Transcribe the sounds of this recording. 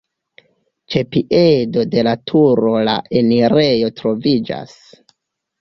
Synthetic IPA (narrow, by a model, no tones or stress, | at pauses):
t͡ʃe̞piʔe̞do̞de̞latʰuɾo̞la̰ʔe̞niɾe̞jo̞tɾo̞vid͡ʒa̰s